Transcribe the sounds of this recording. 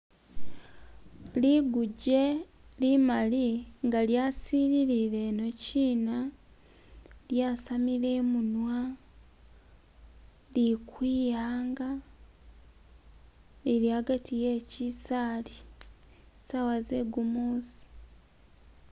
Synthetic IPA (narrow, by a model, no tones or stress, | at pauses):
liɡuɟe̞ | limaliŋɡaljaːsiɾiɾiɾe̞no̞ciːna | ljaːsamileːmunwa | likwiːjaːŋɡa | lilihaɡatijeːcisali | sawazeɡumoːsi̥